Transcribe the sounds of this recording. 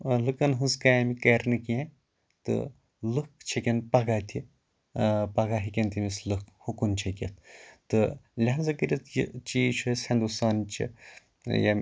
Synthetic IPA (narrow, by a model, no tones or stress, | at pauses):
lɨkɐnɦɨzkajɐmikɐɾnɨkiã | t̪ɨ̰ | lɨkt͡ʃʰekʲenpɐɡaːt̪ʲʰi | pɐɡaɦikʲent̪ʰimʲislɨkhukunt͡ʃʰɐkʲet̪̚ʰt̪ɨlʲaɐzɐkɨɾʲit̪ʰjit͡ʃiːʃʰushɐnd̪usaːnt͡ʃʰḭ | jɐmʲ